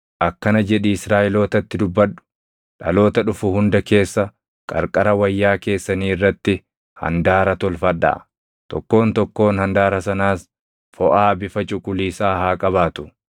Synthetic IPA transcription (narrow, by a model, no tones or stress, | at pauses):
ʔɐkːɐnɐd͡ʒɛᶑɪɪsɾaːʔɪlo̞ːt̪ɐt̪ːɪd̪ʊbːɐᶑʊ̥ | ᶑɐ̰lo̞ːt̪ɐᶑʊfʊhʊnd̪ɐke̞ːsːɐ | kʼɐ̰ɾkʼɐɾɐwɐjːaːke̞ːsːɐniːɪrːɐt̪ːɪ | hɐ̰nd̪aːɾɐt̪ɔlfɐᶑa̰ː | t̪ɔ̰kːo̞ːnt̪ɔkːo̞ːnhɐnd̪aːɾɐsɐnaːs | fɔʔaːbɪfɐt͡ʃʼʊkʼʊliːsaːhaːkʼɐβaːt̪ʊ̥